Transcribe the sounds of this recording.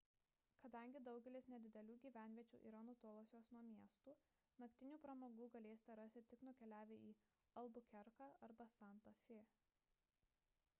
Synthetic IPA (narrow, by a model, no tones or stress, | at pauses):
kɐd̪ɐˑŋʲɡʲɪd̪ɒʊɡʲɛlʲɪsnʲɛd̪ʲɪd̪ʲɛlʲuːɡʲiːʋʲæˑnʲʋʲiɛt͡ʃʲṵːʔiːɾɐnʊt̪oːlˠosʲoːsnuɔmʲiɛst̪uː | nɐkt̪ʲɪnʲuːpɾɐmoːɡuːɡɐlʲeːsʲɪ̥t̪ʲɛɾɐsʲt̪ʲɪt̪ʲɪknʊkʲɛlʲæːʋʲeːʔiː | ɐlˠbʊkʲɛɾkɑʔɐɾbɐsɑˑnt̪ɐfʲeː